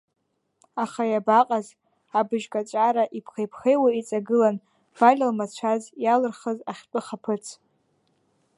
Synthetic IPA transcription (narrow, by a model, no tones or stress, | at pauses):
aχajabaqʼaz | abɨʒɡʼat͡ʃʷʼaɾaʔipʰχejpʰχejwait͡sʼaɡɨlan | b̥alʲalmat͡ɕʷʰazjalɨrχəzaχʲt͡pʷʼɨχapʰɨt͡sʰ